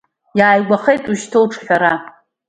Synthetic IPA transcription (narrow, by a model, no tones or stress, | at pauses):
jaːjɡʷaχejtʼuʃtʰolʈ͡ʂʰχʲᶣaɾa